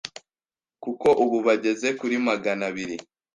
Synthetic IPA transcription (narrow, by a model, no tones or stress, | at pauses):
kuko̞ʔuβuβaɟe̞ze̞kuɾimaɡanaβiɾi